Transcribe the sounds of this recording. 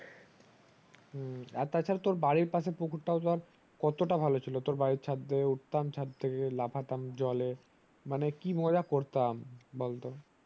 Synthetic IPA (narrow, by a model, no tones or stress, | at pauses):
a̰t̪at͡ɕʰaɾt̪oɾbaɽiɾpasepukʰuɾʈaot̪aɾ | kɔt̪oʈabʱalot͡ɕʰilot̪oɾbaɾiɾt͡ɕʰad̪ːeuʈ̚t̪amt͡ɕʰad̪̚t̪ʰekelapʰat̪amd͡ʑɔle | manekimɔd͡ʑakoɾt̪ambolt̪o